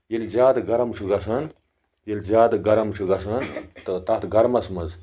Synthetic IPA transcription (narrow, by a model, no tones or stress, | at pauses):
jelʲzaːd̪ɡɐɾɐmt͡ʃʰuɡɐsɐn | jelʲzaːd̪ɡɐɾɐmt͡ʃʰuɡɐsʰɐnt̪ɨt̪ɐt̪ʰɡɐɾmɐsmɐz